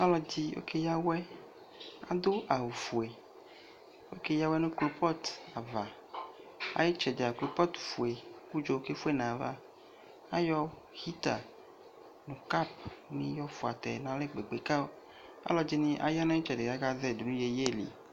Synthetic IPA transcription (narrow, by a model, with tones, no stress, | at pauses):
a˦lɔ˦d͡ʑi˦wo̰˦ke˦ja˦wɛ˦ | a̰˦d̪o˦a˨wu˨fu˨e˨ | wo˦ke˦ja˦wɛ˦nũ˦klo˦pɔ˦t̪a˨va˨ | a̰˦ji˦t͡ʃɛ˨de˨a˨klo˨pɔ˦t̪fu˨e˨ku˦d͡ʒo˨o˦ke˦fu˦e˦nã˨va̰˦ | a˦jɔ˦ | hi˦t̪a̰˨ | nũ˨ka˦˨pmĩ˦jɔ˦fu˨a̰˨t̪ɛ̰˨nã˨le˦ɡ͡be˨ɡ͡be˨ka˦o˦ | a̰˦lɔ˦d͡ʒi˦nĩ˦ʔa̰˨ja˦nã˦i˦t͡ʃɛ˨de˨ɡa˦ɡa˦ðɛ˦˨do˨nũ˦je˨˦je˦˨lḭ˨